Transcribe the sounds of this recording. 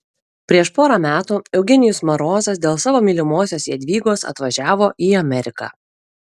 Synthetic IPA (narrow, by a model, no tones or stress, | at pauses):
pʲɾʲiɛʃpoːɾɑmʲæːt̪uːɛʊɡʲɛnʲɪjʊsmɐɾoːzɐs̬d̪ʲeːlˠsɑːʋoːmʲiːlʲɪmoːsʲoːsjiɛd̪ʲʋʲiːɡoːsɐ̰t̪ʋɐʒʲæːʋoːʔiːɐmʲɛɾʲɪkɑ̰ː